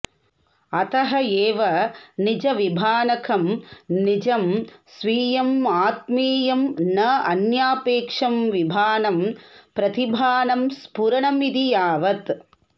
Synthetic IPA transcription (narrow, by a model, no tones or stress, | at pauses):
ɐt̪ɐɦɐeːʋɐnid͡ʒɐʋibʱaːnɐkʰɐmnid͡ʒɐmsʋiːjɐmaːt̪̚miːjɐmnɐɐnjaːpeːkʂɐmʋibʱaːnɐmpɾɐt̪ibʱaːnɐmspuɾɐɳɐmid̪ijaːʋɐt̪